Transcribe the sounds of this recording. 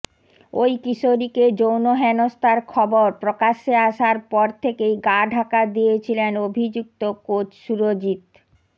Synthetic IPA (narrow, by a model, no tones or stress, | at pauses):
ojkiʃoɾiked͡ʑownoɦɛnost̪aɾkʰɔboɾpɾokaʃeaʃaɾpɔɾt̪ʰekejɡaɖʱakad̪ijet͡ɕʰilenobʱid͡ʑuk̚t̪okot͡ɕʃuɾod͡ʑit̪